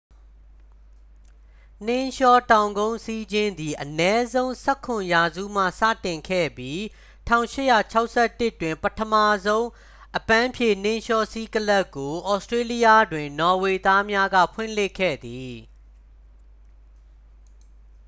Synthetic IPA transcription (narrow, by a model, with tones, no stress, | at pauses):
n̥ɪ̃˦ʃɔ˦tã˨ʊ̃ŋɡõ˦ʊ̃si˦d͡ʑɪ̃˦nd̪i˨ʔənɛ˦zõ˦ʊ̃sɛ˦kʰʊ̃˨ja˨zṵ˦˨m̥ä̰˦˨sä̰˦˨tɪ̃˨ŋkʰɛ̰˦˨bji˦ | tʰã̰˦˨ʊ̃ʃɪ˦ʔja˨t͡ɕʰa˦ʊʔsɛ˦˨tːɪ˦tːwɪ̃˨mpətʰəma˦˨zõ˦ʊ̃ | ʔəpã˦mpʰjẽ˦˨n̥ɪ̃˦ʃɔ˦si˦kəla˦kːo˨ʔɔ˨˦stɹe˦li˦ja˦˨dwɪ̃˨nɔ˨we˨t̪a˦mja˦ɡä̰˦˨pʰwɪ̰̃˦˨lɪ˦kʰːɛ̰˦˨d̪i˨